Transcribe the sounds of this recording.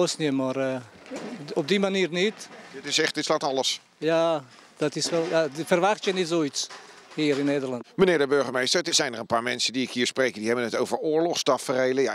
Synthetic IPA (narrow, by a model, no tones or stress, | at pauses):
osnəmarə | ɔp̚dimaniːrnitdɪtɪsɛχtdɪtslaːtɑləs | ja | d̥ɔtɪsʋɛlˠjafərʋaxtjənitsoishiːəɾɪnːeːdərlɑntmənɪːɹdəbøɹχəmejstəɹtəz̥ɛjnərənpaːɹmɛnsədiɪkhiːɹsprejkədiɦɛbənətowvəɹʊːɹlɔχstɑfərejləja